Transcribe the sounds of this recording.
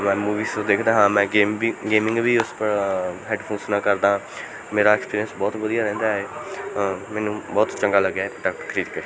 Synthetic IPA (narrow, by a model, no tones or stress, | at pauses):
mɛ̃ːmuːʋiːsõd̪eːkʰd̪aːɦãːmɛ̃ːeːmɡeːmɪ̃ŋɡʋiːʊspəɾɦɛːɖpʰõːnsnãːkəɾd̪ãː | meːɾaːɛkspiːɾiənsbɔːt̪ʋəd̪ijaːɾɛ̃ːnd̪aːeː | mɛːnũːbɔːt̪t͡ʃəŋɡaːləɡaːɛːpɪʈaːkkʰəɾiːd̪kəɾiː